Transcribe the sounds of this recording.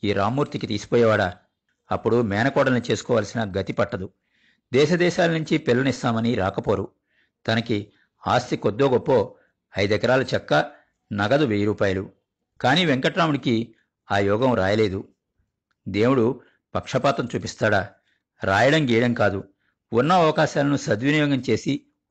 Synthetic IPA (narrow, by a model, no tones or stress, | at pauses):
iːɾaːmːuːɾt̪ikit̪iːsi̥pɔːjɛʋaːɽɐ | ɐpːuɽumɛːnɐkɔːɽɐnːut͡ʃe̞ːsu̥kɔːʋaːlsinɐɡɐt̪ipɐʈːɐd̪u | d̪ɛːʃɐd̪ɛːʃaːlɐnuɲt͡ʃipilːɐnist̪aːmɐniɾaːkɐpo̞ːɾu | t̪ɐnɐki | aːst̪ikod̪ːo̞ːɡopːo̞ː | ɐjd̪ɛkɐɾaːlɐt͡ʃɐkːɐ | nɐɡɐd̪uʋeːjɾuːpaːjɐlu | kaːniːʋeŋkɐʈːɾaːmuɽiki | aːjɔːɡɐmɾaːjɐle̞ːd̪u | d̪e̞ːwuɽu | pɐkʂɐpaːt̪ɐmt͡ʃuːpist̪aːɽa | ɾaːjɐɽɐmɡiːjɐɽɐmkaːd̪u | unːɐɐʋɐkaːʃaːlɐnusɐd̪ʋinijɔːɡɐmt͡ʃe̞ːsi